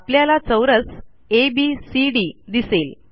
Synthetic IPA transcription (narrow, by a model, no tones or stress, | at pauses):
apljalat͡səwɾət͡s | ebisiɖid̪isel